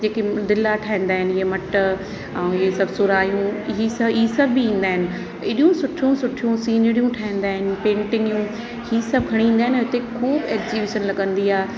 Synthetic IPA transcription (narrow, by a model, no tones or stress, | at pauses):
d͡ʑeːked̪ɪlaʈʰaːɦĩːnd̪aːɦɪnɪɪɦemɐʈ | ɛ̃ɪɦesɐbʱsʊɾaːjũɪɦisɐisɐbʱːiĩːn̆d̪aːɦɪnɪ̆ | ɪɗjũsʊʈʰjũsʊʈʰijũsiːnəɾijũʈʰaːɦĩːn̆d̪aːɦɪnɪ̆pẽːɳʈɪnijũ | hiːsɐb̚ɡʱɐɽ̃ĩːn̆d̪aːɦɪnɦʊt̪ekʰuːbɛːkziʋeːʃənlɐɠə̃nd̪iaːɦe